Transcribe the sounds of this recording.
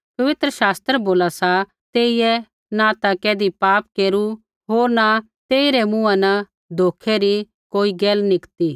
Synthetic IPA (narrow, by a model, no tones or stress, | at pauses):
pɐʋɪt̪ɾəʃaːst̪ɾəboːlasa | t̪eːijɛ | nat̪akɛːd̪ipaːp̚keːɾu | ɦoːɾna | t̪eːiɾɛmũːãnɐ | d̪ʱoːkʰeɾi | koːiɡɛːlnɪkt̪iː